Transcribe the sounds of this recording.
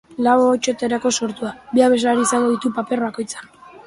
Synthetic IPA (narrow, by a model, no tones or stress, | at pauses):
laβot͡ʃo̞t̪eɾako̞so̞ɾt̪uabiaβe̞zlaɾiːsaŋɡo̞ðit̪upape̞ɾβako̞jt͡sḁ